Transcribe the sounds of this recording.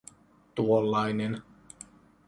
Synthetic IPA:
t̪uolːɑjnen

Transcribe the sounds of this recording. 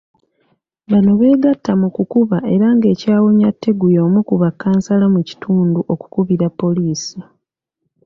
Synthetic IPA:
βano̞βe̞ːɡatːamukukuβaʔe̞ɾaŋɡe̞ːcaːwo̞ɲatːe̞ɡujo̞ːmukuβakːaːnsalamuci̥tʰuːnduʔo̞ku̥kuβiɾapːo̞liːsi

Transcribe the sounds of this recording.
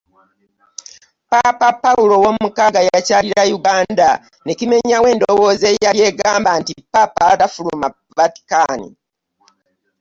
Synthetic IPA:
papapːawulo̞womumukaɡajacaliɾajuɡaːnda | ne̞cime̞ɲawe̞ːndo̞wo̞ːze̞jaɾje̞ːɡaːmbantipapatafuluma | vati̥kanḭ

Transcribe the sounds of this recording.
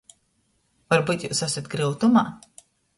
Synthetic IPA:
vaɾbut̪juːsasat̪̚ɡɾilˠt̪umaː

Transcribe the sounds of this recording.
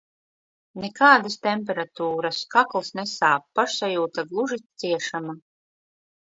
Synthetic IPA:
nɛkaːd̪ast̪ɛmʲpɛɾat̪uːɾaskaklˠsnɛsaːp̚ːaʃsajuːt̪aɡlˠuʒit̪siɛʃama

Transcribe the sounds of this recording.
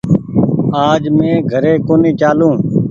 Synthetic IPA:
aːd͡ʒmẽːɡʱəɾeːkoːneːt͡ʃaːlõː

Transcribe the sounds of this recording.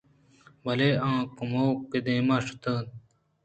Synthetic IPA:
bɐleãːkumoːkid̪ẽːmaːʂu̥t̪əːn

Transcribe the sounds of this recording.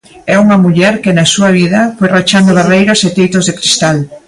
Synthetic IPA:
ɛuŋɐmuʎɛɾkɪnɐsuɐβ̞iðɐfojrat͡ʃand̪ʊβerejɾɐset̪ejt̪ozðɪkɾist̪al

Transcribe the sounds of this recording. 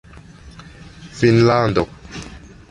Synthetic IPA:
finlandɔk

